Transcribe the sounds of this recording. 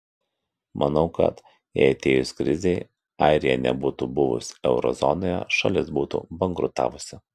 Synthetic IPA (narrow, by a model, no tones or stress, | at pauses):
mʔɐnɒʊkɐ̰t̪ | ɛ̰ɐt̪ʲeːjʊskɾʲɪzʲɛɪ | ɑɪɾʲɪjɛnʲɛ̰buːt̪ubʊʋʊ̰sɛʊɾɔ̰zɔnoːjɛ̰ʃɐ̰lʲɪsbuːt̪ṵːbɐŋɡɾʊt̪ɑ̰ːʋʊsʲɪ